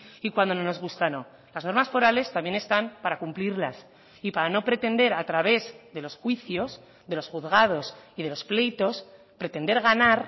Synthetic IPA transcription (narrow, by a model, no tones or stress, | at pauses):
ikwand̪o̞nono̞zɣust̪ano̞ | lazno̞ɾmasfo̞ɾale̞st̪ambje̞ne̞st̪ampaɾakumpliɾlas | ipaɾano̞pɾe̞t̪e̞nd̪e̞ɾat̪ɾaβ̞e̞zðe̞lo̞sxwiθjo̞s | ðe̞lo̞sxuðɣað̞o̞sið̞e̞lo̞sple̞jt̪o̞s | pɾe̞t̪e̞nd̪e̞ɾɣanaɾ